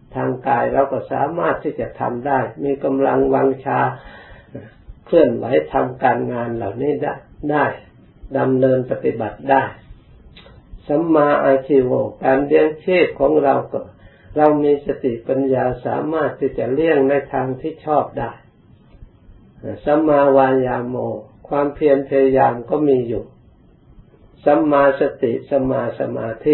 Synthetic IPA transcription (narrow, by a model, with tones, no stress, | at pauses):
t̪ʰaː˧ŋkaː˧jɾa˧wkɔ˧˩sa̰ː˨˦maː˥˩t̪ʰːiː˧˥˩t͡ɕa˨˩t̪ʰa̰˧mdaː˥˩jmiː˧ka˧mla˧ŋwa˧ŋt͡ɕʰaː˧ | kʰlɯ˧˩ənwa̰˨˦jt̪ʰa˧mkaː˧nŋaː˧nla̰ː˨˩wniː˥˩dadaː˥˩j | da˧mnɤː˧npa˧t̪i˧˩ba˨˩t̪̚daː˥˩j | sa˨˦mːaː˧ʔaː˧jt̪ʰiː˧˩woː˧˩kaː˨˧nbi˧əŋtʰeː˥˩p̚kʰɔː˨˦ŋɾa˧wkɔː˧˩ | ɾa˧wmiː˧sa˧t̪i˨˩˨ʔpa˧njaː˧sa̰ː˨˦maː˥˩t̪ʰːiː˥˩t͡ɕa˨˩li˥˩əŋna˧jt̪ʰaː˧ŋt̪ʰiː˥˩t͡ɕʰɔː˥˩p̚daː˥˩j | a˧˩sa˧˦mːaː˧waː˧jaː˧moː˧kʰwaː˧mpʰi˧ənpʰa˧ja˧jaː˧mkɔː˧˥˩miː˧juː˨˩ | sa˧˦˥mːaː˧sa˧t̪i˨˩ʔsa˧maː˧sa̰˧maː˧t̪ʰi˧˩